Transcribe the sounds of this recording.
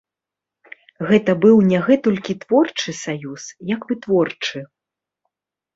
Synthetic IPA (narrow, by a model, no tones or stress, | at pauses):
ɣɛt̪ɐbɨwnʲaɣɛt̪ɔlʲkʲit̪v̥ɔrt͡ʂɨsajusjɐkbɨt̪vɔrt͡ʂɨ